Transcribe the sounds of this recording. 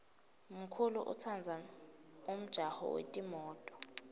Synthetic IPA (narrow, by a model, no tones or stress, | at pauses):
m̩kʰuluʔṵt͡sʰand͡zʱa | um̩d̥ʒ̥ʱahɔ̰wḛtʼimɔːtʼɔ̥